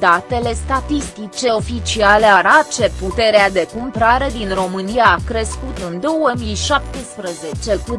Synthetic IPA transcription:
d̪at̪e̞le̞st̪at̪ist̪it͡ʃe̞o̞fit͡ʃiale̞aɾat͡ʃe̞put̪e̞ɾead̪e̞kumpɾaɾe̞d̪inro̞mɨnijaːkɾe̞skut̪ɨnd̪o̞wəmijʃap̚t̪əspɾəze̞t͡ʃe̞ku

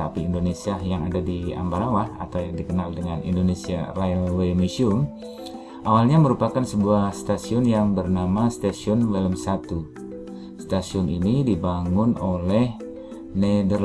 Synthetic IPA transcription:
apiːndonesiajaŋadadia̰mbaɾawaha̰t̪awjaŋdikənaldəŋanḭndonesiaraalwemisiʊm | ʔawalɲaməɾupakansəbuahst̪asiɔnjaŋbərnamast̪asiɔnweləmsat̪u | st̪asiɔninidibaŋʊnolɛh | nedər

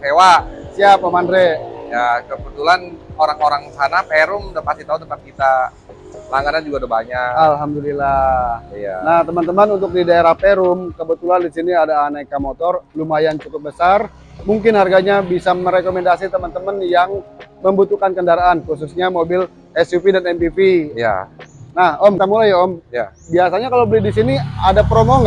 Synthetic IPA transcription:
hewasiapəmandɾejakəbut̪ulanoɾaŋoɾaŋsanapeɾʊmdapast̪it̪aut̪əmpat̪̚kit̪a | pəlaŋɡanand͡ʒuɡaudabaɲakalɦamdulilaja̰naht̪əmənt̪əmənunt̪ʊk̚didaeɾahpeɾʊmkəbət̪ulandisiniadaːnaikamot̪ɔrlumajant͡ʃukʊp̚bəsar | muŋkɪnharɡaɲabisaməɾekomɛndasit̪əmənt̪əmənjaŋməmbut̪ukankəndaɾaʔːnkus̬usɲamobɪl | ɛsjupidanɛmpipija̰nahɔmt̪amulajaɔmja̰ | biasaɲakalawbəlɪhdisiniadapɾomoŋ

